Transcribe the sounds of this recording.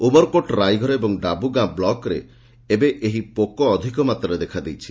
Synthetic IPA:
ubɔɾkoʈɾajɡʱɔɾɔebɔŋɖabuɡãblɔkɾḛ | ebeʔeɦipokɔːd̪ʱikɔmat̪ɾɔɾed̪ekʰad̪ejt͡ʃʰi̥

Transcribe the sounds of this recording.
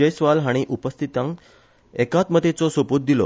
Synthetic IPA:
əjsʋalɦaɽ̃iʔupəst̪ʰit̪ãŋk | ekat̪mət̪et͡sɔsopot̪̚d̪ilɔ̰

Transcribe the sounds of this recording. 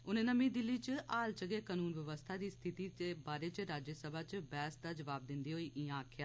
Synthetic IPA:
ʊnːnəmĩd̪ɪlːit͡ʃaːlt͡ʃəɡekaːnuːnʋjəʋəst̪ʰad̪iːst̪ʰɪt̪iebaːɾet͡ʃɾaːd͡ʒjəsəbʱat͡ʃbɛːsd̪aːd͡ʒɐʋaːb̚d̪ɪ̃nd̪iɦoiːʔɪːãːkʰjaː

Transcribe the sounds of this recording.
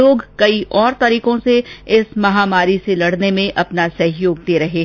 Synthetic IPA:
oːɡkɐiʔɔːɾt̪ɐɾiːqõseɪsmɐɦaːmaːɾiselɐɽnemẽʔɐpnasɐɦɪjoːɡ̚d̪eːɾɐɦeː

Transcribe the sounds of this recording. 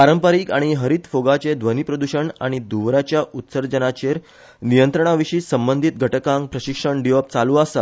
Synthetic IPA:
paɾəmpəɾiːkaɽ̃iɦəɾiːt̪foɡat͡ɕed̪ʋənipɾəd̪uɕəɳaɽ̃id̪uʋɾat͡ɕjaʔut̪səɾd͡ʑənat͡ɕeɾ | nijənt̪ɾəɳ̃aʋiɕiːsəmbənd̪ʱit̪̚ɡʱəʈəkãŋk̚pɾəɕikʂəɳɖijɔp̚t͡saluːasa

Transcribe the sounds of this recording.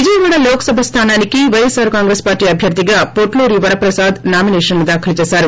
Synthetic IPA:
ʋid͡ʒɐjɐʋaːɽɐloːkɐ̥sɐbʱɐst̪ʰaːnaːnikiʋɐjesaːɾkaːŋɡɾespaːɾʈiːɐbʱjɐɾd̪iɡaːpoʈloɾiʋɐɾɐpɾɐsaːd̪naːminɛːʂɐnnid̪aːkʰɐlɐt͡ʃɛːsaːɾu

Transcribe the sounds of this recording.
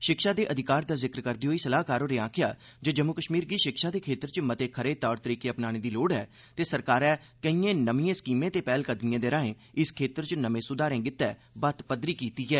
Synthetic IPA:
ʃɪkʃaːd̪eːʔəd̪ʱɪkaːɾd̪aːzɪkɾkəɾd̪iːɦoːiːsəlaːkaːɾoːɾeːãːkʰɪja̰ː | d͡ʒəd͡ʒəmːʊkəʃmiːɾɡiːʃɪkʃaːd̪eːkʰeːt̪əɾt͡ʃmət̪eːkʰəɾeːt̪ɔːɾt̪əɾiːkeːəpnaːɽ̃eːd̪iːloːɽɛː | t̪eːsəɾkaːɾɛː | kəiẽːnəmiːẽːskiːmẽːt̪eːpɛːlkəd̪mijãːd̪eːɾaːẽː | ɪskʰeːt̪əɾt͡ʃnəmẽːsʊd̪aːɾẽːɡɪt̪ːɛːbət̪pəd̪ɾiːkiːt̪iːɦɛː

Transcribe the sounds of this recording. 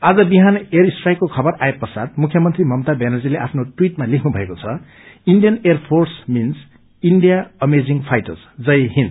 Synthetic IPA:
ad͡zʌbiɦaneɾisʈrajkːokʰʌbʌraepːʌsat̪̚mukʰjʌmʌnt̪rimʌmt̪abenʌd͡zileʔapʰnoʈwiʈmalikʰnubʱʌekot͡sʰʌ | inɖijʌnerpʰorsmins | inɖijaʌmed͡ziŋpʰajʈʌsd͡zʌjɦin

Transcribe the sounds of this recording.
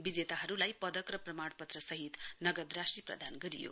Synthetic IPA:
bid͡zet̪aɦʌɾulajpʌd̪ʌkrʌprʌmaɽpʌt̪rʌsʌɦit̪nʌɡʌd̪rasʈriprʌ̰d̪ʱanɡʌɾijo̰

